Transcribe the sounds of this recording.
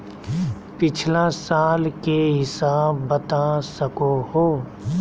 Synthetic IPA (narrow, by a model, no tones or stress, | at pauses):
pɪt͡ʃʰlãsaːlkeɦɪsaːbːɐt̪asəkoɦoː